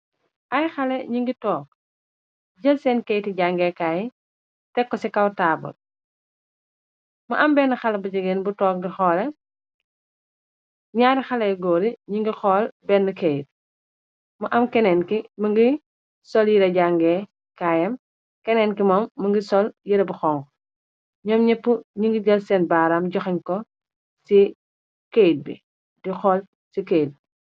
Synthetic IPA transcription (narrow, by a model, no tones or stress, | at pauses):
ʔɐjxɐlɛɲiŋɡitɔːk̚ | ɟɐlsɛːnkɛjtiɟaŋɡɛːkaːji | tɛkːɔsikɐwtaːbɔ̰ | mɐʔɐmbɛnːəxɐlɐbɐɟɐɡeːnbutɔːk̚dixɔːlɛ | ɲaːɾixɐlɐɡɔːɾiɲiŋɡixɔːlbɛnːəkejt̚ | mɐʔɐmkɛnɛnkimɐŋɡi | sɔljiɾɐɟaŋɡɛː | kaːjɐm | kɛnɛːnkimɐmːɐŋɡisɔljiɾɐbɐxɔːŋɡɔ | ɲɔːmɲɛpːuɲiŋɡiɡɐlsɛnbaːɾɐmɟɔxiɲkɔ | si | kejt̚bḭ | dixɔːl | sikejt̚bi